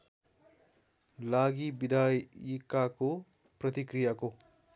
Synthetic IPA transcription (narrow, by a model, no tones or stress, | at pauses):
laɡibid̪ʱajikːako | prʌt̪ikrijako